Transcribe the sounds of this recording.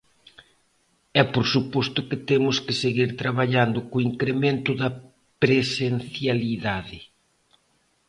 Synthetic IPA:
ɛpoɾsupɔst̪ʊkɪt̪emʊskɪseɣiɾt̪ɾaβaʎand̪ʊkoiŋkɾemẽnt̪ʊðɐ | pɾesen̟θjaliðaðɪ

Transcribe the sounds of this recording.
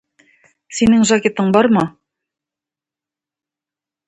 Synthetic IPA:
sinɘŋʒakʲet̪ɤɴbɑɾmɑ

